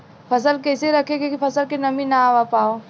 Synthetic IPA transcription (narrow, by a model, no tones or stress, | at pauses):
pʰɐsəlkɛːseɾɐkʰeɡekipʰɐsəlkinɐmĩnaːʋapaːoː